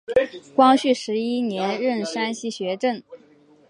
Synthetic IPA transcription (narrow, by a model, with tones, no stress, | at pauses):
kwɑ˥ŋɕy˥˩ʂɻ̩˧˥i˥njɛ˧˥nɻə˥˩nʂa˥nɕi˥˩ɕɥɛ˧˥ʈ͡ʂə˥˩n